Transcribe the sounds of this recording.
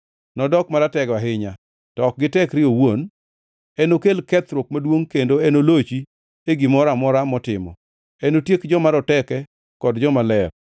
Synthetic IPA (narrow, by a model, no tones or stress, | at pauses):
nɔdɔkmaɾatɛɡaɦɪɲa | tɔk̚ɡɪtɛkɾɪowon | ɛnokelkɛt̪ɾok̚madwoŋkendoɛnolot͡ʃi | eɡɪmɔɾamɔɾamɔtɪmɔ̰ | ɛnotjekd͡ʒɔmaɾɔtɛkɛ | kɔdd͡ʒɔmalɛr